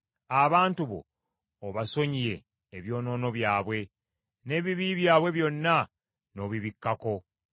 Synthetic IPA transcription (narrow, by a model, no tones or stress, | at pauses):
aβaːntuβo̞̰ː | βaso̞ɲije̞ː | βjo̞ːno̞ːno̞βjaːβwe̞ | ne̞ːβiβiβjaːβwe̞βjo̞nːa | no̞ːβiβikːako̞